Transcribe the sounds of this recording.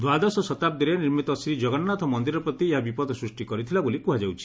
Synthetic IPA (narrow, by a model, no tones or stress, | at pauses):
d̪wad̪ɔsɔsɔt̪ap̚d̪iɾeniɾmit̪ɔsɾid͡ʒɔɡɔnɔnat̪ʰɔmɔnd̪iɾɔpɾɔt̪ieɦabipɔd̪ɔsɾusʈikɔɾit̪ʰilabolikuɦad͡ʒawt͡ʃʰi̥